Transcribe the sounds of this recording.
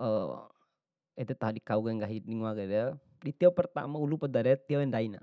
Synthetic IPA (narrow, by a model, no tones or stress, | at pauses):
ə | ɛt̪ɛt̪aɦadikauɡɛŋɡaɦiniŋuaɡɛd̪ɛ | dit̪iɔpərt̪a̰maulupəd̪aɾɛt̪iɔɛndaina̰